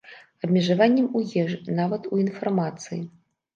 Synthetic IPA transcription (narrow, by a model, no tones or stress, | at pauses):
ɐbʲmʲɛʐavanʲːɛmujɛʐnavɐt̪uinfarmat̪sɨji